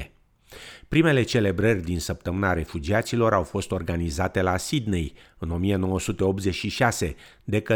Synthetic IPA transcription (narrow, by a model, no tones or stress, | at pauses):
pɾime̞le̞t͡ʃe̞le̞bɾərʲd̪insəp̚t̪əmɨnaɾe̞fud͡ʒiat̪silo̞ɾawfo̞st̪o̞rɡanizat̪e̞lasid̪nej | ɨno̞mije̞no̞wəsut̪e̞o̞p̚t̪ze̞ʃiʃase̞ | d̪e̞kə